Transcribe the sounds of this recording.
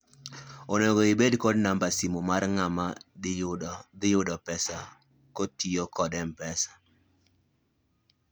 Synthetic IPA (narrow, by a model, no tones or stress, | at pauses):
onoɡoibedkɔdnambasimomarŋama | d̪ɪjʊdɔpɛsa | kotijokɔdɛmpɛsḁ